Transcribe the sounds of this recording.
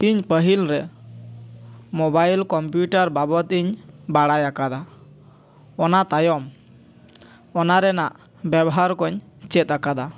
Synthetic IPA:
t̪iɲpəɦilɾɛ | mobajlkɔmpjuʈaɾbabɔt̪iɲbaɽajakad̪a | ɔnat̪ajɔm | ɔnaɾɛnaʔ | bɛbɔɦaɾkɔɲt͡ʃɛt̪̚akad̪a

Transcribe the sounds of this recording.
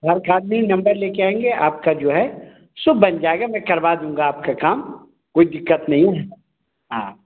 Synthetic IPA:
ɦɐɾkaːd̪minɐ̃mbəɾleːkeaːẽŋɡeʔaːp̚kad͡ʒoːɦɛ | sʊbʱbɐnd͡ʒaːeɡamɛ̃ːkɐɾʋad̪ũːŋɡaaːp̚kakaːm | koːid̪ɪkːət̪nɐɦĩɦ | ɦãː

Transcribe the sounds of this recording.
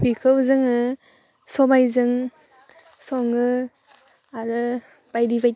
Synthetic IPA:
bikʰɯwzɯŋɯ | sɔbajzɯŋ | sɔŋɯ | aɾɯ | b̥ajdibaj

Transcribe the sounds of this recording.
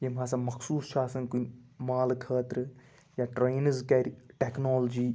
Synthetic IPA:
jemaːsãmɐkʰsuːsʃaːsɐnkunmaːlkʰəːt̪ɾɨ | jaːʈɾeːnəzkɐɾʈeːknoːld͡ʒiː

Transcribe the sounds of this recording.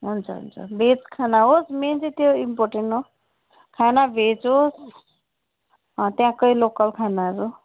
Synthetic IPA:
ɦunt͡sʰʌ̰ɦṵnt͡sʰʌ̰bʱet͡skʰanaɦosment͡sit̪joimpoɾʈeɳʈo | kʰanabʱet͡sɦos | t̪jãkʌjlokʌlkʰanaɾu

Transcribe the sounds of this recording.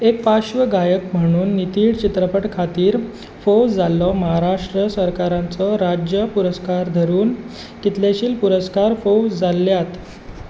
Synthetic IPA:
ek̚paɕʋəɡajəkm̤əɽ̃uːnːit̪iːɽt͡ɕit̪ɾəpəʈkʰat̪iːɾ | fod͡zalːɔməɦaɾaʂʈɾəsəɾkaɾãnt͡sɔɾad͡ʑjəpuɾəskaɾd̪ʱəɾuːn | k̪it̪ljaɕiːlpuɾəskaɾfod͡zalːjat̪

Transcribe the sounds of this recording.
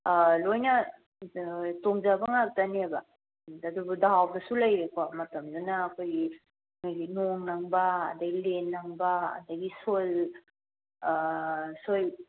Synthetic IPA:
lojnɐ | toŋzabɐŋak̚tanebɐ | adubudawawdɐsulɐjɾekomɐtɐmdunaːkʰojɡi | ŋojɡinoŋnɐŋbɐ̰ːdɐɡilenːɐŋbɐ̰ːdɐɡisol | soj

